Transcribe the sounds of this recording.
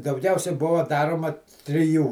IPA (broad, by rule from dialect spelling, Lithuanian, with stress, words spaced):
dɐʊˈɡʲɛʊsʲɛɪ ˈbʊʋɐ ˈdɑːroːmɐ tʲrʲɪˈjuː